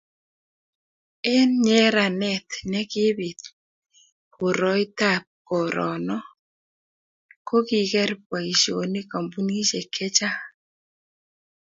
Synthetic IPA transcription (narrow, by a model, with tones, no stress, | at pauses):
ɛ˦nɲɛ˦ɾa˨nɛ˦˨t̪nɛ˦kɪ˦βi˨t̪̚ | ko˨ɾɔ˦i˦ta˦˨p̚kɔ˨ɾʔɔ˨nɔ˦ | ko˦ki˨kɛ˦ɾpwa˨i˨ʃo˨ne˦ka˨mbu˦ni˦ʃe˨kʰɛ˦t͡ʃa˦